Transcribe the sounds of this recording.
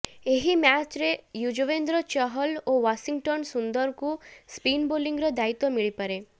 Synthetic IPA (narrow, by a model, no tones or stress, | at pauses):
eɦimat͡ʃɾejud͡ʒʋend̪ɾət͡ʃəɦəloʋaʃiŋɡʈənsund̪əɾkũspinboliŋɡɾəd̪ait̪omiɭipəɾe